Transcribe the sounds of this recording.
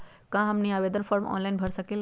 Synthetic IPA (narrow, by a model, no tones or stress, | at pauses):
kãɦəmniaːʋeːd̪ənfɔɾmɔ̰nlainbʱəɾsəkel